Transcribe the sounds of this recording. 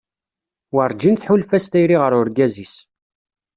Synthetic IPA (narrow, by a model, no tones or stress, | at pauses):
wəɾˤd͡ʒinθħʊlfæst̪æjɾiʁəɾʊɾɡæzis